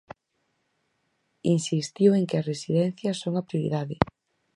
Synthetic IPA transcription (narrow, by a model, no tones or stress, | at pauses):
insist̪iweŋkeɐresiðɛn̟θjɐsoŋɐpɾjoɾḭðaðɪ